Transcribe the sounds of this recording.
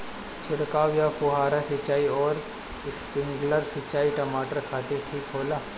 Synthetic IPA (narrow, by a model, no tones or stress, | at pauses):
t͡ʃʰɪɽkaːʋjapʊɦaːɾasɪt͡ʃaːiɔːɾ | ɪspɪ̃ŋɡləɾsɪt͡ʃaːiʈɐmaːʈəɾkʰaːt̪ɪʈʰiːkɦoːlaː